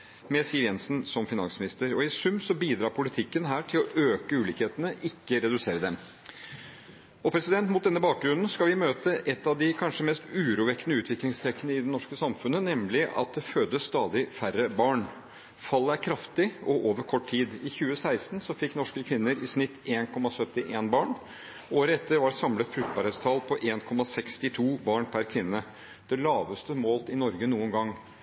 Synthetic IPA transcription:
mɛsiːəɾjɛnsn̩sɔmfɪnɑ̰nsmɪnɪst̪əɾɔɪsʉmsɔbiːd̪ɾɑːɾpʰʊlɪt̪ʰɪkːənɦæːʈʰɪlɔʔøːkəʉːliːkheːt̪ənəʔɪkːəɾɛd̪ʉseːɾəd̪ɛm | ɔpʰɾɛsɪd̪ɛnt̪mʊt̪̚d̪ɛnːəbɑːk̚ɡɾʉnn̩skɑlʋɪmøːt̪əʔɛt̪ːɑʋd̪ɪkʰɑnʂəmɛst̪ʉːɾuːʋɛkːənəʉːt̪ʰʋɪklɪŋst̪ʰɾɛkːənəɪd̪ɛnɔʂkəsɑmfʉnənɛmlɪʔɑ̰t̪̚d̪ɛføːd̪əst̪ɑːd̪ɪfærəbɑːɳ | fɑlːəæɾkʰɾɑft̪ɪɔʔoːʋəɾkʰɔʈːt̪ʰiːd̪ɪçʉːəsæɪst̪nsɔfɪkːnɔʂkəkʰʋɪnːəɾɪsnɪt̪ːeːnkʰɔmɑsœt̪ːɪʔeːnbɑːɳ | ʔoːɾəɛt̪ːəɾʋɑsɑmlət̪fɾʉk̚t̪̚bɑɾheːt̪st̪ʰɑːlpʰɔʔeːnkʰɔmɑsɛkst̪ɪt̪ʰuːbɑːɳpʰæɾkʰʋɪnːə | d̪̥ɛlɑːʋəst̪əmoːlt̪ɪnɔɾɡənuːənɡɑŋː

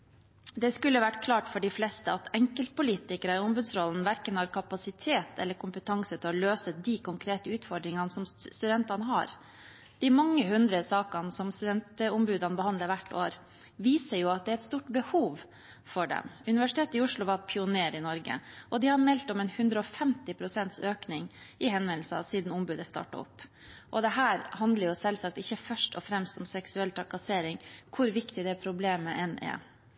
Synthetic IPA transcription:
d̪ɛskʉlːəʋæʈːkʰlɑːʈfɔɖɪflɛst̪əɑt̪ʰɛŋkəlt̪̚pʊliːt̪ɪkəɾəɪʊmbʉːd̪sɾɔln̩ʋæɾkənhɑːɾkʰɑpɑsɪt̪ʰeːt̪ɛ̰lːəɾkʰʊmpət̪ʰɑŋsət̪ʰɪlɔløːsəd̪ikʰʊŋkʰɾeːt̪əʉːt̪fɔɾɖɾɪŋɑnsɔmst̪ʉd̪ɛnt̪ɑnəɦɑ̰ɾ | d̪̥ɪmɑŋːəhʉnd̪ɾəsɑːkɑnsɔmst̪ʉd̪ɛnt̪ʊmbʉːd̪ɑnəbəhɑnd̪ləɾʋæʈːo̰ːɾ | ʋiːsəɾjʊɑt̪̚d̪ɛæɾɛt̪st̪uːʈbəhuːʋ | fɔɖɛ̰mʉnɪʋæʂɪ̥t̪ʰeːt̪ɪʊʂɭʊʋɑɾpʰɪʊneːɾɪnɔɾɡə̰ʔɔd̪ɪhɑɾmɛlt̪ɔmɛnhʉnd̪ɾəɔfɛmt̪ɪpʰɾʊsɛnt̪søːknɪŋɪhɛnʋɛnl̩səɑ̰siːd̪n̩ʊmbʉːd̪əst̪ɑ̰ːʈɑ̰ɔ̰pː | ʔɔd̪ɛɦæːɾhɑnd̪ləɾjʊsɛlsɑk̚t̪ɪçːəfœʂʈɔfɾɛmst̪ɔmsɛksʉɛlt̪ʰɾɑkɑseːɾɪŋkʰʊɾʋɪkt̪ɪd̪ɛpʰɾʊbleːməʔɛnɛ̰

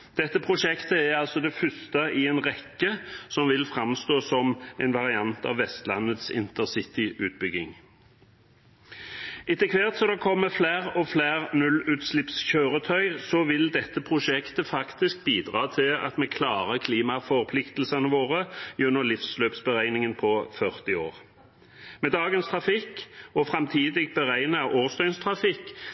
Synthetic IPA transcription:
d̪̥ɛt̪ːəpʰʁʊʃɛkt̪əæʁɑlsɔd̪ɛfʉst̪əɪɛnʁɛkːəsɔmʋɪlfʁɑmst̪oːsɔmɛnʋɑʁɪɑnt̪ɑ̰ːʋːɛst̪lɑ̰nət̪sɪ̰nt̪əsɪt̪ɪʔʉːt̪̚bʏɡɪŋ | ɪt̪əkʰʋeʁt̪sɔd̪ɛkʰɔmːəflæːʁɔfleːʁnʉlːʉːt̪slɪpsçøːʁət̪ʰœʏsɔʋɪld̪ɛt̪ːəpʰʁʊʃɛkt̪əfɑkt̪ɪsk̚biːd̪ʁɑːt̪ʰɪlɑ̰t̪mɛːkʰlɑːʁəkʰliːmɑfɔʁpʰlɪkt̪lsɑnəʋoːʁəjʉnːəʁlɪfsløːpsbəʁæɪnɪŋənpʰɔfœʁt̪ɪoːʁ | meːd̪ɑːɡənst̪ʰʁɑfɪkːɔfʁɑmt̪ʰiːd̪ɪɡ̚bəʁæɪnəʔoːʁst̪œʏnst̪ʰʁɑfɪkː

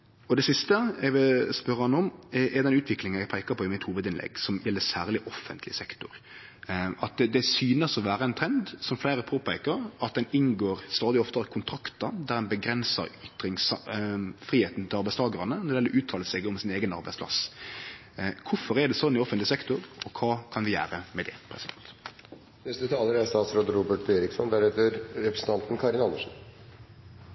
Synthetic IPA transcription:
ɔd̪ɛsɪst̪əɛɡʋɪlspœɾəɑnɔmʔɛd̪ɛnʉːt̪ʰʋɪklɪŋənɛɡpʰæɪkəpʰɔɪmɪt̪huːʋəd̪ɪnlɛ̰ɡsɔmjɛlːəsæːʁlɪʔɔfənt̪ʰlɪ̰sɛkt̪ʊɾ | ʔɑt̪d̪ɛsyːnəsɔʋæːɾəæɪnt̪ʰɾɛnd̪sɔmflæɪɾəpʰoːpʰæɪkəɾɑt̪̚d̪ɛnɪnɡoːɾst̪ɑːd̪ɪɔft̪əɾəkʰʊnt̪ʰɾɑkt̪əd̪æɾɛnbəɡɾɛnsə̰ɾʏt̪ɾɪŋs | fɾiːheːt̪n̩t̪ʰɪlɑɾbæɪst̪ʰɑːɡəɾɑnənɔd̪ɛɛlːɾɔʔʉːt̪ʰɑːləsɛɡɔmsɪneːɡənɑ̰ɾbæɪspʰlɑ̰s | kʰʊfɔɾɛɖɛsɔnːɪɔfənt̪lɪsɛkt̪ʊɾɔkʰɑːkʰɑnʋɪjæ̰ːɾəmɛd̪ɛ̰pʰɾɛsɪd̪ɛ̰nt̪ | nɛst̪ʉt̪ʰɑːləɾæst̪ɑːt̪sɾod̪ɾuːbəʈeɾɪksɔnd̪æɾheːt̪əɾɾɛpɾəsən̩t̪ʰɑnt̪n̩kʰɑɾɪnɑnːəʂn̩

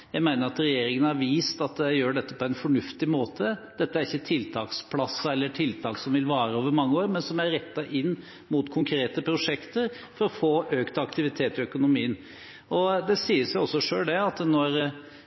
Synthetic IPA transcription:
jæɪmæɪnəɾɑt̪ɾɛjeːɾɪŋənhɑɾʋiːst̪ɑt̪æɪjøːɖɛt̪ːəpʰɔɛɪnfɔɳʉft̪ɪmoːt̪ʰəd̪̥ɛt̪ːəæɾɪçːət̪ʰɪlt̪ʰɑːkspʰlɑsːəɛlːəʈʰɪlt̪ʰɑːksɔmʋɪlʋɑːɾəoːʋəɾmɑŋːəoːɾmɛnsɔmæɾɾɛt̪ːɑʔɪnː | mʊt̪kʰʊŋkʰɾeːt̪əpʰɾʊʂɛkt̪əɾ | fɔɾɔfoːʔøːkt̪ɑkt̪ɪʋɪt̪ʰeːt̪ɪœkʊnʊmiːən | ʔɔd̪ɛsiːəsjʊɔsːɔʂøːlɖ̪ɛɑt̪nɔɾə

